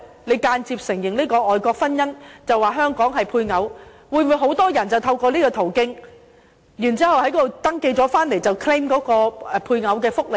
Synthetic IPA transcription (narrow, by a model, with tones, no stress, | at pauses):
le˨˧jkaː˧nt͡siː˧p̚sɪ˨˩ŋjɪ˨˩ŋliː˥kɔː˧ʔɔː˨jkɔː˧k̚fɐ˥njɐ˥nt͡sɐ˨wːaː˨ɦœː˥ŋkɔː˨˥ŋɦɐ˨jpʰuː˧jŋɐ˨˧w | wu˨˧jmuː˨˧jɦo˨˥wt̪ɔː˥jɐ˨˩nt͡sɐ˨wt̪ʰɐ˧wkɔː˧liː˥kɔː˧t̪ʰo˨˩wkɪ˧ŋ | jyː˨˩nt͡siː˥hɐ˨whɐ˧˥jkːt̪ɐ˥ŋke˧jt͡sɔː˨˥faː˥nle˨˩jt͡sɐ˨wkʰleː˥mkɔː˨˥kɔː˧˩pʰuː˧jŋɐ˨˧wkɛː˧fʊ˥k̚le˨